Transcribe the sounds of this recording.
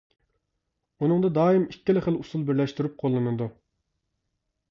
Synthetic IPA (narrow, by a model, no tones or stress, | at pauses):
unɨŋd̪ɑd̪ɑːimikʲːilɪχəlusulˠbɪɾlɛʃt̪yɾyp̚qʰolˠːɨnɨd̪u